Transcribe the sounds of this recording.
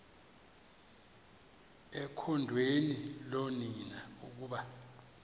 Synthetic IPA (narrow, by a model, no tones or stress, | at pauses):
ɛkʰɔndʱweniloninauk̬uːɓa